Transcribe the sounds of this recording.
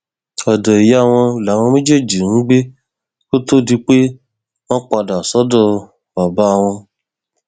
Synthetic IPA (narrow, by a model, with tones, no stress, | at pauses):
ɔ˨dɔ˨i˨ja˦˨w̃ɔ̃˧˨la˨˦˨w̃ɔ̃˧mẽ˦d͡ʒe˦˨d͡ʒi˨ñ̩˨˦ɡ͡be˦ | ko˦to˦˨di˧k͡pe˦ | mɔ̃˦k͡pa˧da˨sɔ˨˦dɔ˦˨ | b̥a˨ba˨˦a˧˨w̃ɔ̃˧